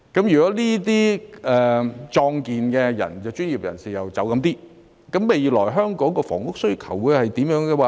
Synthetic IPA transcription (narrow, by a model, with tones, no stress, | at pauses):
kɐ˨˥mjyː˨kɔ˨˥liː˥t̪iː˥ʔɛː˨˩t͡ʃɔː˧ŋkiː˨nkɛ˧jɐ̰˨˩nt͡sɐ˨wt͡ʃyː˥njiː˨˩p̚jɐ˨˩nsiː˨jɐ˨wt͡sɐ˨˥wkɐ˧mt̪iː˥ | kɐ˨˥mːe˨jlɔː˨˩jɦœː˥ŋkɔː˨˥ŋkɔː˧fɔ̰ː˨˩ŋkʊ˥k̚sɵ˥ɥkʰɐ˨˩wwuː˨˧jhɐ˨jt̪iː˨˥mjœː˨˥ŋɡɛ˧waː˧